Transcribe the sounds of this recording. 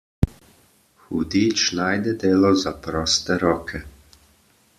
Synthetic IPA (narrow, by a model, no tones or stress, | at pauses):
xud̪iːt͡ʃnaːjd̪ɛd̪eːlɔzapɾɔːst̪ɛɾɔːkʰɛ